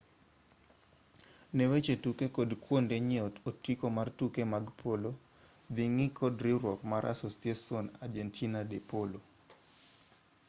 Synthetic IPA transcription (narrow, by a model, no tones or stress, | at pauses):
newet͡ʃetukekodkwondeɲiɔtotikomartukemaɡpʰolo | d̪iŋikʰɔdɾiɾwɔkmaɾʔa̰sosiasionard͡ʒentʰinadepolo